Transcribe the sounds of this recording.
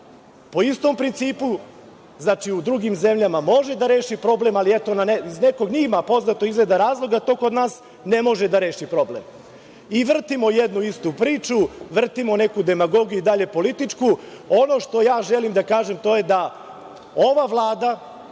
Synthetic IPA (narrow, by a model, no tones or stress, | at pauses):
po̞ist̪o̞mpɾint̪siːpu | znaːt͡ʃiud̪ɾuɡimze̞mʎamamo̞ʒe̞d̪aɾe̞ːʃipɾo̞ble̞maliet̪o̞nanezne̞ko̞ɡɲimapo̞znat̪oizled̪aɾaːzlˠo̞ɡat̪o̞ːko̞d̪naːs | ne̞mo̞ʒed̪aɾe̞ːʃipɾo̞blḛm | iʋr̩t̪imo̞jed̪nuist̪upɾiːt͡ʃuʋr̩t̪imo̞ne̞kud̪e̞maɡo̞ɡijuid̪aʎe̞po̞lit̪it͡ʂku | o̞no̞ʃt̪o̞jaːʒelimd̪akaːʒe̞mt̪o̞je̞d̪a | o̞ʋaʋlˠaːd̪a